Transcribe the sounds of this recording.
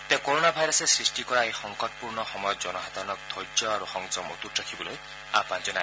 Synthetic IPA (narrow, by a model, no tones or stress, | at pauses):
t̪ekoɾonabʱajɾɔsesɾisʈikɔɾajxɔŋkɔt̚puɾnɔxɔmɔjɔt̪̚d͡ʒɔnɔɦat̪anɔk̚d̪ʱɔjd͡ʒɔaɾuxɔŋd͡ʒɔmɔt̪utɾakʰibɔloj | a̰pand͡ʒɔna